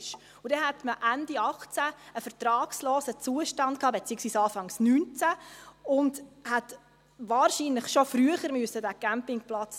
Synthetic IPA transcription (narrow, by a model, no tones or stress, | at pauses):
ʃ | ʊdɛnhɛtməʔændiɑχt͡sæəfəɾtɾɑːksloːsət͡suəʃtɑntkʰhɑːbet͡siːəksʋiːsɑːfɑŋsnyːnt͡sæʊndhɛt | ʋɑːɾʃinləχʃofɾyəχəɾmʉəsədæɡ̥æmpɪŋplɑt͡s